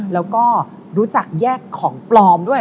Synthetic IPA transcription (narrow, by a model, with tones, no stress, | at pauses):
lɛː˦˥wkɔː˥˩ | ɾuː˦˥t͡ɕa˨˩k̚jɛː˥˩kʰːɔː˩˦ŋplɔː˧mdu˥˩ə